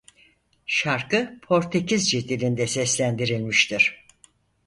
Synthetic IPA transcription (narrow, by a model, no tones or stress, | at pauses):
ʃaɾkɯpʰo̞ɾt̪ʰecʰizd͡ʒed̪ilʲind̪ɛsɛslʲænd̪iɾilʲmiʃt̪ʰiɾ̥